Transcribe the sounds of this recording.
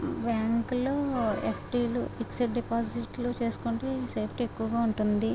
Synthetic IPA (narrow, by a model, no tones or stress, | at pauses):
baːŋkuloːḛpʰʈiːlṵpiksɐʈɖipaːd͡ʒiʈlut͡ʃe̞ːsu̥kuɳʈeseːpʰʈekːuʋɐɡaːuɳʈund̪i